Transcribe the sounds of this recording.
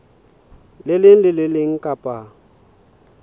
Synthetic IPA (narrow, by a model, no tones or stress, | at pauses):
lɪlɪŋ̩lɪlɪlɪŋ̩kʼapʼa